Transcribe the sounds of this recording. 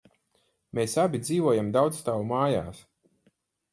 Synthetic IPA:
meːsabʲid̪ziːvuɔjamd̪awd̪sst̪aːwumaːja̰ːs

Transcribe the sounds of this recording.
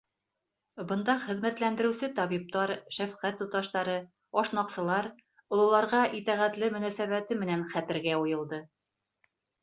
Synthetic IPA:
bɤ̆nd̪ɑχɘ̆ðmæt̪lænd̪ɘ̆ɾɘ̆wsɘt̪ɑβip̚t̪ɑɾʃæfqæt̪ːut̪ɑʃt̪ɑɾɤ | ɒʃnɑqsɤ̆lˠɑɾ | ŏlˠɤ̆lˠɑɾʁɑʔit̪æʁæt̪lɘmɵ̆næsæβæt̪ɘmɘ̆nænχæt̪ɘ̆ɾɡæujɤ̆lˠd̪ɤ

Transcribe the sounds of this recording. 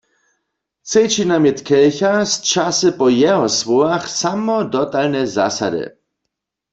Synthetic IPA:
t͡sejt͡ʃinamjɛt̪kɛlçast͡ʃasɨpɔjɛɦɔswɔwaxsamɔdɔt̪alnɛza̰sa̰dɪ̰

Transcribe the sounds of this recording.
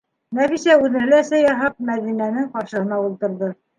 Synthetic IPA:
næfisæʉðɘnɘ̆læsæjɑɦɑp̚mæðinænɘŋqɑɾʃɤ̆ɤ̆nɑulˠt̪ɤ̆ɾðɤ

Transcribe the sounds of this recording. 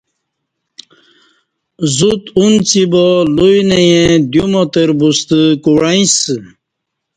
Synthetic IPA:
zut̪unt͡sibɔlujnejẽd̪jumɔt̪əɾbust̪əkuɾaĩs

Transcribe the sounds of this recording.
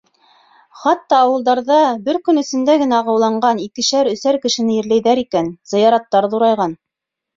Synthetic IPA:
χɑt̪ːɑːwɤ̆lˠd̪ɑɾðɑbɘɾkɵ̆nɵ̆sɘ̆nd̪æɡɘ̆næʁɤ̆wlˠɑɴɢɑnikɘ̆ɕæɾɵ̆θæɾkɘ̆ʃɘ̆nɘjɘ̆ɾlæjðæɾikænz̥ɤ̆jɑɾɑt̪ːɑɾðuɾɑjʁɑn

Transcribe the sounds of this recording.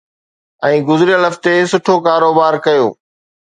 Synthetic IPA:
ɛ̃ːɡʊzɾijəlɦɐft̪esʊʈʰokaːɾoːbaːɾkɐjo̰ː

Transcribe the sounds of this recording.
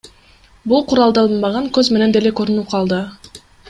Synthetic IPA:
bulˠqʰuɾɑlˠd̪ɑlˠɯnbɑʁɑŋkøzme̞ne̞nd̪elekøɾynyp̚qʰɑlˠd̪ɯ

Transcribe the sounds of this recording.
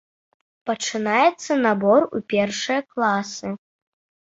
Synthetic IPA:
pɐt͡ʂɨnajɛt̪sːɐnabɔrṵpʲɛrʂɨjɐklˠasɨ

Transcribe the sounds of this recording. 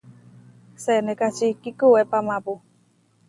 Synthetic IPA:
sɛnekat͡ʃikikuwɛpamapu

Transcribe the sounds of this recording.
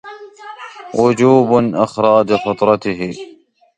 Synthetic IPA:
wʔʊd͡ʒuːbʔɪxɾˤɑːd͡ʒfɑt̪ˤɾˤɑt̪ɪɦɪ

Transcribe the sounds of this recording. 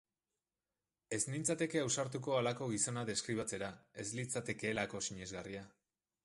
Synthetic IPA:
e̞znint͡sat̪e̞ke̞awsaɾt̪uko̞alako̞ɣiso̞naðe̞skɾiβ̞at͡se̞ɾae̞zlit͡sat̪e̞ke̞ːlako̞siɲe̞zɣaria

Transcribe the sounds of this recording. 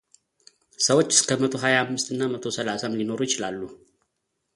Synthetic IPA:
səwot͡ʃːɪ̥skʰəmət̪ʰo̞ɦajaamːɨst̪ɨnːamət̪ʰo̞səlasamlino̞ɾujɪt͡ʃɪlalːu

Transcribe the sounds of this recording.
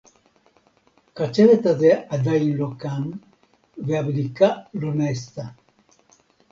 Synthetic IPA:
kat͡ʃeɾet̪aðead̪ajnlokan | veaβɾikalonɛst̪a

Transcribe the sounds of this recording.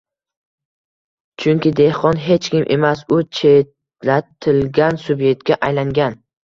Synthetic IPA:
t͡ʃʰʊŋkʲɪd̪e̞hqɒnɦe̞t͡ʃkʲɪmʔe̞masʊt͡ʃʰet̪ | lat̪ʰɪlɡʲansʊbje̞k̚t̪̚kʲaʔajlaŋɡʲan

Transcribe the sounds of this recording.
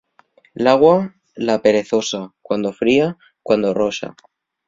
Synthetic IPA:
laɣwa | lape̞ɾe̞θo̞sakwand̪o̞fɾia | kwand̪o̞ro̞ʃa̰

